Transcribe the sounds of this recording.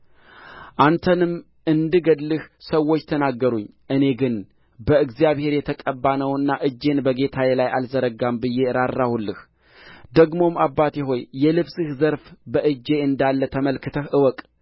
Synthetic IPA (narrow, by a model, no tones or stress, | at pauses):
ʔant̪ʰənɨm | ʔɨnd̪ɨɡəd̪lɨhsəwo̞t͡ʃːt̪ʰənaɡːəɾuɲːʔɨne̞ɡɨn | bəɨɡzijaβhe̞ɾjɛt̪ʰəkʼəbːanəwɨnːaʔɨd͡ʒːe̞nbəɡe̞t̪ʰajɛlajalzəɾəɡambɨje̞ɾarːahulːɨh | d̪əɡmo̞mabːat̪ʰiɦo̞jːɛlɨβsɨhzəɾfbəʔɨd͡ʒːe̞ɨnd̪alːət̪ʰəməlkɨt̪ʰəhʔɨwɔkʼ